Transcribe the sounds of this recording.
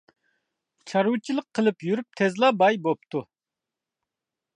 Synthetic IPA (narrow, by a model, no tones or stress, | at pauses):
t͡ʃʰɑɾut͡ʃʰilˠəqʰːəlˠɨpjyɾyp̚t̪ʰɛzlˠɑbɑjbop̚t̪ʰu